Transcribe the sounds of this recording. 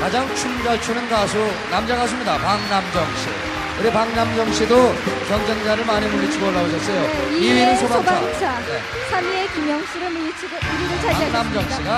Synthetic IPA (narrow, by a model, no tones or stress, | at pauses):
kad͡ʑaŋt͡ɕʰumd͡ʑaɭt͡ɕʰunɯnɡasʰo | namd͡ʑaɣas̬ʰɯmɲidapaŋnamd͡ʑʌŋɕʰḭ | kɯɾipaŋnamd͡ʑʌŋɕʰidokʌŋd͡ʑeŋd͡ʑaɾɯɭmaɲimonːet͡ɕʰiɡʌɭːaoɕ̬ʰʌs͈ʌjoiinɯnsʰobaoaas͈ane | sʰaniekimjʌŋs͈ʰɯɾɯmiit͡ɕʰiɡiɾiɾɯt͡ɕʰaanamd͡ʑʌŋɕʰiɡa